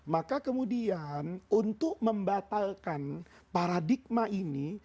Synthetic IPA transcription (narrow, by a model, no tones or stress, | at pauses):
makakəmudianunt̪ʊk̚məmbat̪alkan | paɾadik̚maʔini